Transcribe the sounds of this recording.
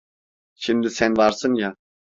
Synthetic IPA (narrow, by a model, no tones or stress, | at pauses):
ʃimd̪isænvaɾsɯnja